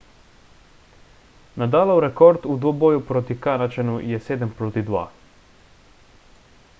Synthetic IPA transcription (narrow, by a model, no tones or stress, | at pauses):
nad̪aːlawɾɛkoɾt̪ud̪ʋoboːjupɾot̪ikanat͡ʃɛnujɛseːd̪əmpɾoːt̪id̪ʋa̰ː